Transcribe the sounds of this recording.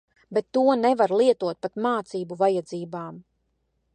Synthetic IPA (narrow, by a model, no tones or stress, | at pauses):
bet̪ːuɔnevaɾlˠiɛt̪uɔt̪̚pat̪maːt̪siːbuvajad̪ziːbaːm